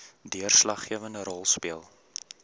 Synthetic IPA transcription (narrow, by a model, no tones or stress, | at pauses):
diərslɐχːiəvəndəɾɔlˠspiəlˠ